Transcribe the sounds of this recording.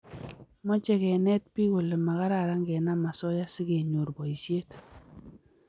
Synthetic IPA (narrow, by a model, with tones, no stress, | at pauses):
mɔ˦t͡ʃɛ˦kɛ˨nɛ˦t̚pi˦ko˨le˨ma˨ka˦ɾa˨ɾa˦ŋɡɛ˨na˦ma˨sɔ˦ja˦si˦ke˨ɲo˨ɾbɔ˨i˨sje˦t